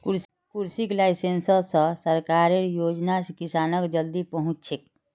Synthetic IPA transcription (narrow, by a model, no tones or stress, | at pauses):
kuɾs | kuɾsiklaisensəsə̃səɾkaɾeɾjod͡ʒnaskisanəkd͡ʒəld̪ipəɦũt͡ʃt͡ʃʰek̚